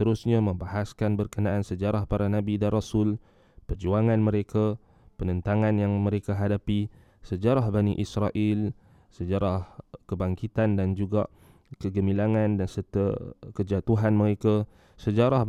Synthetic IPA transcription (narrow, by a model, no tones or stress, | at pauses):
t̪əɾusɲaməmbaɦaskanbərkənaʔansəd͡ʒaɾahpaɾanabidanrasʊl | pərd͡ʒuaŋanməɾeka | pənənt̪aŋanjaŋməɾekaɦadapi | səd͡ʒaɾahbaniʔisɾaʔil | səd͡ʒaɾahkəbaŋkit̪andand͡ʒuɡa̰ʔ | kəɡəmilaŋandansərt̪əkəd͡ʒat̪uɦanməɾeka | səd͡ʒaɾah